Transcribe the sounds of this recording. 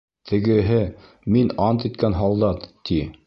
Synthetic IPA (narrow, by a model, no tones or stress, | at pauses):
t̪ʰɘ̆ɡɘ̆ɦɘ | minɑnt̪it̪kænɦɑlˠd̪ɑt̪ːi